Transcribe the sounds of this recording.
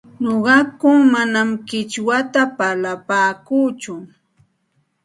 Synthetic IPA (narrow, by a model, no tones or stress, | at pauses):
noɢɑkʊŋmanamkɪt͡ʃwat̪apalapaːkuːt͡ʃʊ